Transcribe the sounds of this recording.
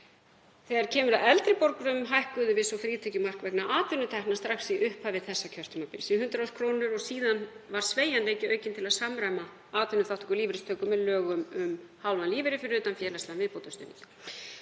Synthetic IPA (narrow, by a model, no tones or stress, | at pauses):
θɛɣaɾ̥cʰɛːmʏɾaðɛlt̪ɾɪpɔɾkɾʏmɦajhkʏðʏvɪsɔfɾiːt̪ʰɛcʏmar̥kvɛknaʔaːt̪ʏnʏt̪ʰɛhknast̪ɾaxsiʔʏhpavɪðθɛsːacʰœr̥t̪ʏmapɪ̰ɾsinhʏnt̪ɾaw̥kʰɾownʏɾɔɣsiːðanvaɾ̥sveːjanleːjcɪœːɥcɪnt̪ʰɪlaðsamɾajma | aːt̪ʏnʏθawht̪ʰɔkʏɾliːvɪɾɪst̪ʰœːkʏmːɛðlœːɣʏmʏmhawlvanliːvɪɾɪfɪɾɪɾʏːt̪anfjɛːɾlast̪aðanvɪðpowt̪ʏst̪ʏ̰nɪ̰n